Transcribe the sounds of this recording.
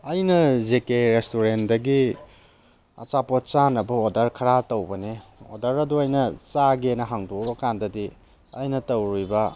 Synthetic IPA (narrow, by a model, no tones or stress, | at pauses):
ɐjnɐzekeɾestuɾendɐɡi | ɐ̰t͡ʃapot͡ʃanɐbɐodɐɾkʰɐɾatɐwbɐneo̰dɐɾɐduɐjnɐt͡ʃaɡenɐɦaŋdobɐkandɐdi | ɐjnɐtɐwɾujbɐ